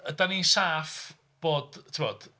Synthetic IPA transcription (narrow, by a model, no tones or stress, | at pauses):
ədanisaːf | b̥oːdtʰɪwɔd̥